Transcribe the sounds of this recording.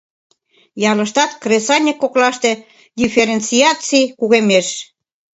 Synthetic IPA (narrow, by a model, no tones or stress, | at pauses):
jɑlə̆ʃt̪ɑt̪kresɑnʲikːoklɑʃt̪ĕ | d̪ʲifeɾent͡siɑt͡sikuɣemeʃ